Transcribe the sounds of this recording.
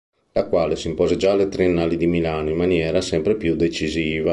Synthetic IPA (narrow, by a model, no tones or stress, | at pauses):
lakwaːlesimpɔːzed͡ʒalet̪ɾienːaːlid̪imilaːnoimːanjɛːɾasɛmpɾepjud̪et͡ʃiziːva